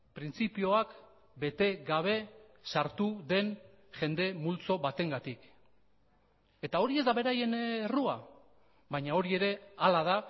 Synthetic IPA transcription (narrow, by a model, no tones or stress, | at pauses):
pɾint͡sipio̞ak | be̞t̪e̞ɡaβ̞e̞ | saɾt̪uðe̞n | ʝe̞nd̪e̞mult͡so̞βat̪e̞ŋɡat̪ik | e̞t̪ao̞ɾie̞zd̪aβe̞ɾaje̞nerua | βajɲao̞ɾie̞ɾe̞alað̞a